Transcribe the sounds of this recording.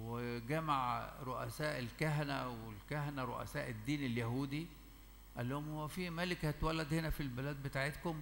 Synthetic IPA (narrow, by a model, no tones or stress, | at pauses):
weɡæmaʕɾˤoʔæsæːʔelkæɦænæwelkæɦænæɾˤo̰ʔæ̰sæːʔed̪ːiːneljæhuːd̪i | ʔælːohomhowːæfimælekhæt̪wælːæd̪henæfilbelæːd̪̚bet̪aːʕet̪kom